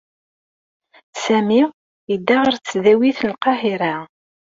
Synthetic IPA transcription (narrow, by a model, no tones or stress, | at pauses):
sæmi | id̪ːæʁəɾt͡sːðæwiθnqɑhiɾæ